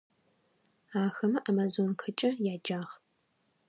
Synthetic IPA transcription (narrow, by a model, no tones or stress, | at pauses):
aːxɐmɨʔamazoːnkʰɨt͡ʃʼɐjaːd͡ʒaːʁ